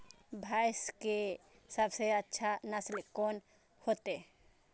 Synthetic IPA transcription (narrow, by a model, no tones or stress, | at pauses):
bʱaːɪske | səbseətːʃʰanaslkoːn | hoːt̪e